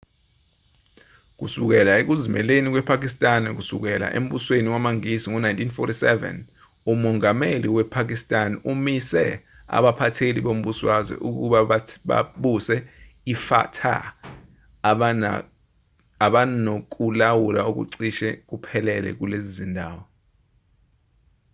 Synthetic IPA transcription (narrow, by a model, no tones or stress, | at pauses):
k̬usuk̬ɛlaek̬uzimɛ̰lenik̬wɛpʰak̬ʼistʼanɛk̬usuk̬ɛla̰ʔḛm̩ɓusweniwamaŋisiŋɔnajntʰinfɔtisɛvɛ̰n | umɔŋameliwɛpʰak̬istʼanumisɛ̰ | a̰ɓapʰatʰeliɓom̩ɓuswazwɛ̰ʔuk̬uɓaɓa̰ɓusɛ | ifa̰tʰa̰ | aɓanok̬ʼulawulauk̬ṵǀiʃɛk̬upʰɛlɛlɛ̰k̬ulezizindʱaːwɔ